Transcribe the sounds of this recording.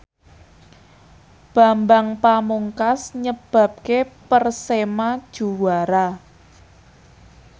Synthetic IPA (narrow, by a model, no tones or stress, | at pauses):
b̥a̤mbaŋpamuŋkasɲəb̥ä̤p̚kepərsemad̥ʒ̥ṳwaɾa